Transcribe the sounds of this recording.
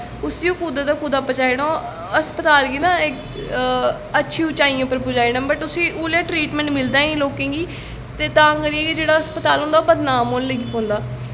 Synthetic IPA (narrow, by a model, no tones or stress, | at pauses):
ʊsiːũːkuːd̪aːd̪aːkuːd̪aːpət͡ʃaːeːɽõː | əspət̪aːlɡiːnãːɪk | ətːʃʰĩːʊt͡ʃaːijãːpəɾpʊd͡ʒaːeːɽãːbəʈ̪ʊsĩːuːlãːʈɾiːʈmɛ̃ɳʈmɪld̪aːĩːloːkẽːɡiː | t̪eːt̪ãːkəɾieːked͡ʒeːɽaːəspət̪aːlɦõːnd̪aːobəd̪naːmoːnləɡiːkõːnd̪aː